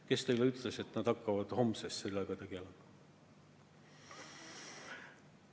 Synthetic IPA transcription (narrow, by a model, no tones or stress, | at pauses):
ke̞st̪e̞jleyt̪le̞se̞t̪ːˑnɑd̪̥ɑkːɑvɑd̪̥ho̞msest̪se̞lːɑɡ̥ɑt̪e̞ɡ̥e̞lemɑ